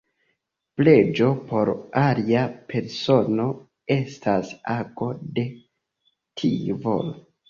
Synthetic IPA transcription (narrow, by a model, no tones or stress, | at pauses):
ple̞d͡ʒo̞po̞ɾaliapʰe̞ɾso̞no̞ | e̞stʰasako̞de̞ | tʰivo̰l